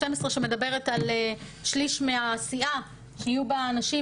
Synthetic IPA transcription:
temesʁeʃeme̞d̪abe̞ʁetaleʃliʃmeasia | ʃiijubaːnaʃi

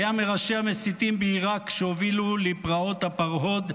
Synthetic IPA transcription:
jameʁaʃeamesit̪imbeiʁakʃeovilulipʁao̞t̪hapaʁɦo̞d̪

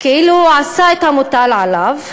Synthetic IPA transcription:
keʔiːluʕasaet̪hamot̪alʕalav

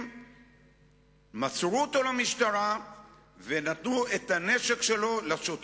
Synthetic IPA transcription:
mat͡sʁuot̪o̞lamiʃt̪aʁa | venat̪nuet̪ane̞ʃe̞kʃe̞lo̞laʃot̪

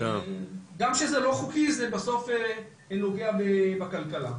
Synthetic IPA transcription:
ɡamʃezelo̞χukizebaso̞fe | enoɡeabebakalkala̰

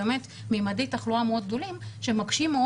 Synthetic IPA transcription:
emet | meːmadejtaχluameod̪ɡ̚d̪o̞limʃemaɡʃimːeo

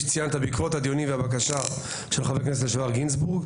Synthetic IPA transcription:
t͡sijanet̪habikvo̞thad̪jo̞nimvehabakaʃa | ʃelχaveknesetleʃavaʁɡins̬buʁɡ

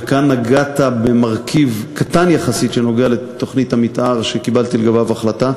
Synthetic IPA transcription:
kanːaɡatabemaʁkʰivkat̪anjaχasitʃeno̞ɡealet̪o̞χnithamit̪ʔaʁʃekibalt̪ileɡavavaχlat̪a

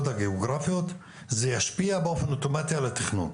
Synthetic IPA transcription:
d̪aɡeoɡɾˤɑfɪjot̪ | zejaʃpiːabʔofenʔot̪omaːt̪ialat̪ːexnṵːn

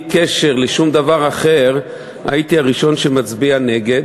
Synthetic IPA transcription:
keʃe̞ʁleʃumd̪avaʁaχe̞ʁ | a̰it̪iaʁiʃo̞nʃemat͡sbiane̞ɡe̞d

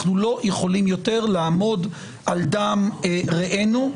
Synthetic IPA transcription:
χnulo̞je̞χo̞limjo̞te̞ʁlaamo̞d | ʔald̪aːmʁeʔenu

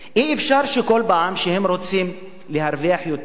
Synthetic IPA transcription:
ʔiʔefʃaɾʃekolbaʕamʃehemɾot͡sim | lehaɾviaħjot̪

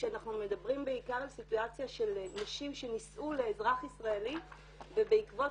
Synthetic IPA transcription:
ʃeanaχnume̞d̪abʁimbeikaʁalsituat͡sjaʃe̞lnaʃimʃe̞nisʔuleːzʁaχisʁaeli | ve̞beikvo̞

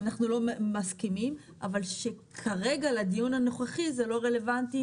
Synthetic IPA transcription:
naχnulo̞maskimim | ʔavalʃekʰaʁe̞ɡaledijunhanoχeχizelo̞ʁe̞le̞vanti

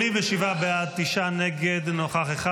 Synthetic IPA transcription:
imveʃivabead̪̚t̪iʃaneɡed̪noχaχeχa

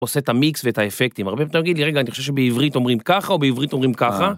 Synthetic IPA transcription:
osetamiksvetaefek̚t̪imaʁbepet̪omjaɡid̪liʁeɡaːniχoʃeʃebeivʁit̪omʁimkaχao̞beivʁit̪o̞mʁimkaχa

